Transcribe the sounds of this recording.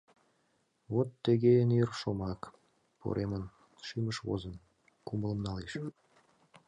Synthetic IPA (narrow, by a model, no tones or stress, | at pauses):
βot̪ːəɣeənerʃomɑk | po̰ɾʔemən | ʃiməʃβo̰zən | kumələmnɑleʃ